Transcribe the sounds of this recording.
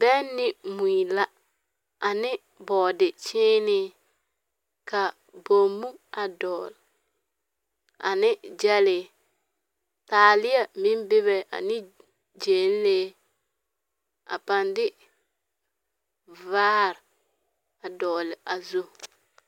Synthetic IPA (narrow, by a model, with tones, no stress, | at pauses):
bɛ˦nːɪ˦mu˨i˨la˦ | a˨nɪ˦ | bɔː˨dɪ˨t͡ʃɪː˦nɪ˦ | ka˨ | bo˨mːu˦a˨dɔː˨l | a̰˨nɪ˦d͡ʒɛ˦lɪ˨ | taː˨lɪ˦ja˨mɪ˦nbɪ˦βɛ˨ʔa̰˨nɪ˦ | d͡ʒeː˨˦n˦leː˦ | a̰˨pa˨ndɪ˦ | vaː˦ɾ | a˨dɔː˨lɪ˨ʔa˨zo˦